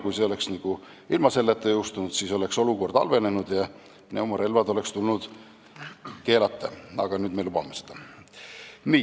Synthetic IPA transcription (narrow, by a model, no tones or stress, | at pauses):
kujseo̞le̞ksniɡ̥u | ilmɑse̞lːet̪ːˑejuwst̪unud̪siːso̞le̞kso̞luko̞rd̪̥ɑ̰lve̞ne̞nud̪̥jɑ | neumɑɾe̞lvɑd̪o̞le̞kst̪ulnud̪̥ | ke̞ːlɑt̪ˑːḛɑ̰ɡ̥ɑnyːd̪melubɑmesed̪̥ɑ | niː